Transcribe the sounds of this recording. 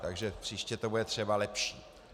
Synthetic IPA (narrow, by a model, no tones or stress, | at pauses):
t̪aɡʒɛpr̝̥iʃcɛt̪obudɛt̪r̝̥ɛbalɛpʃiː